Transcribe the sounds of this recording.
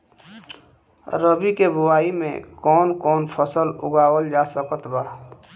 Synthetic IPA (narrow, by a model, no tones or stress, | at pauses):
ɾəbikebʊwaːimḛ̃kɔːnkɔːnpʰəsəlʊ̰ɡaːwəld͡ʒaːsəkət̪baː